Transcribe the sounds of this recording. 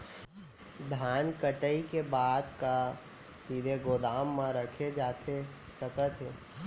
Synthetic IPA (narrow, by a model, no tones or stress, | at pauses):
d̪ʱaːnkəʈəikebaːd̪ka | siːd̪ʱeɡoːd̪aːmːãɾəkʰed͡ʒaːt̪ʰe | səkət̪ɦeː